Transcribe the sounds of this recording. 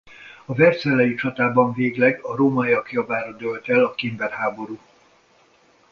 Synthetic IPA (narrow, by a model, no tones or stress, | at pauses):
ɒvɛrsɛlːɛjit͡ʃɒt̪aːbɒɱveːɡlɛɡɒɾoːmajɒkjɒbaːɾɒd̪ølt̪ɛlɒkimbɛrhaːbo̞ɾuː